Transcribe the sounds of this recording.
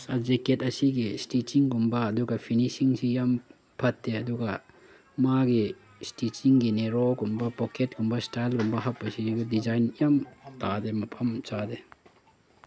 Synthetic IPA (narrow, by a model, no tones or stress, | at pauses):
sazeketɐsiɡistit͡ʃiŋkumbɐːduɡɐpʰinisiŋsijam | pʰɐt̚deɐduɡa | maɡi | stit͡ʃiŋɡineɾokumbɐpɔket̚kumbɐstajlkumbɐɦak̚pɐsidizajnijamtademɐpʰɐmt͡ʃade